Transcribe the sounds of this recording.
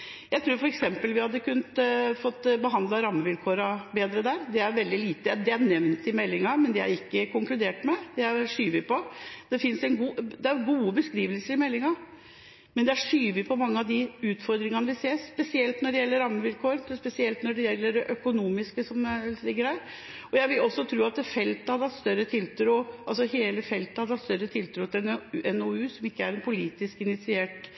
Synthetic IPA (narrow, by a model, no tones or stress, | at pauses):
jæɪt̪ʰɾuːɾfɔɾɛksɛmpəlʋɪhɑd̪ːəkʉnːət̪fɔt̪ːbəɦɑnd̪lɑɾɑmːəʋɪlkʰoːɾɑbeːd̪ɾəd̪æːɾd̪ɛæɾʋɛld̪ɪliːt̪əd̪ɛænɛʋnt̪ɪmɛlːɪŋɑmɛnd̪ɛæ̰ɾɪkːəkʊŋklʉd̪eːʈmɛd̪ɛæɾʂyːʋɪpɔd̪̥ɛfɪnsɛnɡuːd̪ɛæɾɡuːəbəskɾiːʋəlsəɾɪmɛlːɪŋɑ | mɛnd̪ɛæʂyːʋɪpʰɔmɑŋːəɑd̪ɪʉːt̪fɔɾd̪ɾɪŋənəʋɪseːspɛsɪɛlt̪nɔɖɛjɛlːəɾɑmːəʋɪlkʰoːɾənspɛsɪɛlt̪nɔɖɛjɛlːəɖɛʔœkʊnuːmɪskəsɔmlɪɡːəɾhæːɾ | ɔjæɪʋɪlɔsːɔt̪ʰɾuːɑt̪fɛlt̪əhɑd̪ɑt̪st̪œɾːət̪ʰɪlt̪ɾuːɑlsɔheːləfɛlt̪əhɑɾɑt̪st̪œɾːət̪ʰɪlt̪ʰɾuːt̪ʰɪɛnɔʉːsɔmɪkːəæɾɛnpʰʊliːt̪ɪskɪnɪt̪sɪeːʈ